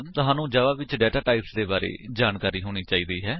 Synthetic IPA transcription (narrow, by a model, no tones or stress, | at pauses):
t̪ʊɦaːnũːd͡ʒaːʋaːʋɪt͡ʃɖɛːʈaːʈaːɪpsd̪eːbaːɾḛːd͡ʒaːnkaːɾiːɦoːñiːt͡ʃaːiːd̪iːɦɛː